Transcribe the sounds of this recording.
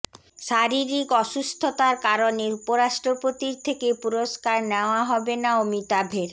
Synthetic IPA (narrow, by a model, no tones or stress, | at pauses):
ʃaɾiɾikɔʃust̪ʰot̪aɾkaɾoneupoɾaʃʈɾopot̪iɾt̪ʰekepuɾoskaɾneoaɦɔbenaomit̪abʱeɾ